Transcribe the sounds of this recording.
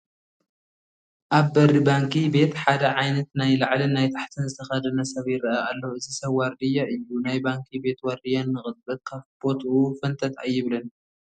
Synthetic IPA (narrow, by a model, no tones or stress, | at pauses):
ʔaβbɐɾibaŋkʰibe̞t̪ħad̪ɐʕajnɐt̪najlaʕlinajt̪ʰḁħt̪ʰɨnzɨt̪ʰɐxɐd̪ɐnɐsɐβjɪɾɐʔaalːoɨzisɐβwɐɾd̪ijaʔɨjːunajbaŋkʰibe̞t̪wɐɾd̪ijanːɨxɨt̪̚ʼbɨkʰaβb̥o̞t̪ʰʔufɐnt̪ʰɐt̪ʰa̰jːɪβlɐn